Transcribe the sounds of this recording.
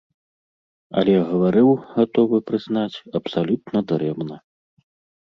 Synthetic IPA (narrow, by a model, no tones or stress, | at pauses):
ɐ̰lʲɛɣɐvaɾɨwɣat̪ɔvɨpɾɨznat͡sʲɐpsalʲut̪nɐd̪ɾɛmnɐ